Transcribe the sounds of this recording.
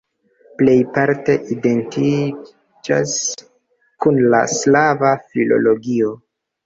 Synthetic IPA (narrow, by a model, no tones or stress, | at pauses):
ple̞jpaɾte̞ʔide̞nti | d͡ʒa̰s | kunla̰slavafilo̞̰lo̞ɡio̞